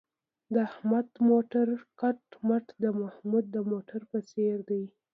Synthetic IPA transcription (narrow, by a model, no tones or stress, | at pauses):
d̪əahmad̪moʈaɾkaʈmaʈd̪əmahmud̪̚ːəmoʈaɾpət͡seɾd̪aj